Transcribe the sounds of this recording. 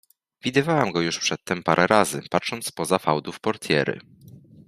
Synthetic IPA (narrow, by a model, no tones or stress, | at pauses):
vʲid̪ɘvawamɡɔjuʂpʂɛt̪ːɛmpaɾʔɛɾazɘ̰patʂɔnt̪spɔzafawd̪ufpɔɾt̪ʰʲjɛ̰ɾɘ̰